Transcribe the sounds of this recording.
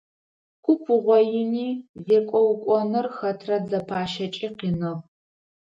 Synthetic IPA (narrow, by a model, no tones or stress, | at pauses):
kʷʰʼʊpʰɨʁʷɔjɪniːvekʷʼɔwkʷʼɔnɨrxɐtʰrɐd͡zɐpʰaːʃɐt͡ʃʼiːqiːnɨʁ